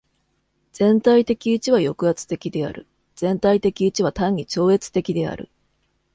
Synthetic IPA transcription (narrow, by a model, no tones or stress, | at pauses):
z̥ẽ̞nt̪ait̪e̞kʲiɯt͡ɕiβajo̞kɯ̟at͡sɨ̥t̪e̞kʲid̪e̞a̰ɾɯ̟ | z̥ẽ̞nt̪ait̪e̞kʲiɯ̟t͡ɕiβ̞at̪ãɲ̟ːit͡ɕo̞ːe̞t͡sɨ̥t̪e̞kʲid̪e̞a̰ɾɯ̟̰